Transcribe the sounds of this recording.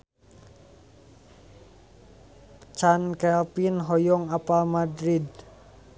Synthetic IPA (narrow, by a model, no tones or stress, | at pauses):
t͡ʃankɛlpinɦɔjɔŋapamad̪ɾid̪̚